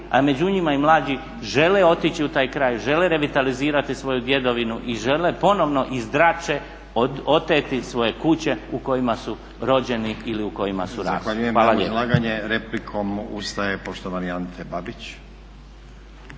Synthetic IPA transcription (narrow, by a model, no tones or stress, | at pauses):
a̰me̞d͡ʑuɲimaimlˠaːd͡ʑi | ʒe̞leo̞t̪it͡ɕiut̪aːjkɾaːjʒe̞leɾe̞ʋit̪aliziːɾat̪isʋo̞jud̪je̞d̪o̞ʋinuʔiʒe̞le̞po̞no̞ʋno̞ʔizd̪ɾat͡ʃe | ot̪eːt̪isʋo̞je̞kut͡ɕe̞uko̞jimasu | ɾo̞d͡ʑe̞niiliuko̞jima̰suɾa̰ːaːʋaʎujemaːlaʎjelaːɡaɲeɾeplikʰomust̪ajepoʃt̪oʋaniant̪ʰebabit͡ɕ